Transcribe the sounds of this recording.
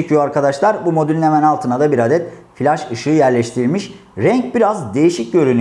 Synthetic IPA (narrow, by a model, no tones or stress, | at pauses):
ecʰijoaɾkʰad̪aʃlˠaɾbumo̞d̪ylʲinemænalˠt̪ʰɯnad̪abiɾad̪ɛt̪filʲaʃɯʃɯːjæɾlʲɛʃt̪ʰiɾilʲmiʃ | ɾɛɲc̚biɾazd̪e̞jiʃic̚ɟø̞ɾyny